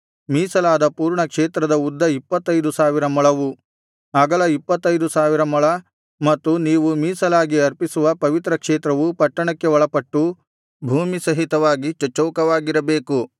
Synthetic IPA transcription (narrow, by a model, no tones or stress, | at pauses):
miːsɐlaːd̪ɐpuːɾɳɐkʂeːt̪ɾɐd̪ɐud̪ːɐipːɐt̪ːɐjd̪usaːʋiɾɐmɐɭɐʋu | aːɡɐlɐipːɐt̪ːɐjd̪usaːʋiɾɐmɐɭɐ | mɐt̪ːuniːʋumiːsɐlaːɡiɐɾpisuʋɐpɐʋit̪ɾɐkʂeːt̪ɾɐʋupɐʈːɐɳɐkːeʋɔɭɐpɐʈːu | bʱuːmisɐɦit̪ɐʋaːɡit͡ʃɐt͡ʃːɔːkɐʋaːɡiɾɐbe̞ːku